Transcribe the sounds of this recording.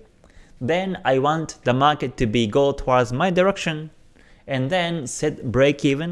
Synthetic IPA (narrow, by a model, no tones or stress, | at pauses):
ðɛ̃naɪwɑ̃ntðəmaɹkɨtʰːɨbiɡoʊtʰəwɔdzmaɪdəɹɛkʃə̃n | ɛ̃nðɛ̃nsɛt̚bɹeɪkʰivə̃n